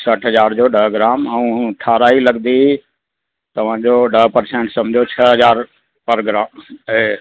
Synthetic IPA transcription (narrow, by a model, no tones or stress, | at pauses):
səʈʰɦəzaːɾd͡ʒoɖəɦɡɾaːməũʈʰaːɾaːiləɡd̪i | t̪əʋ̤ãːd͡ʒoːɖəɦpəɾsẽːɳʈsɐmd͡ʒʱot͡ʃʰəɦəzaːɾ | pəɾɡɾaːme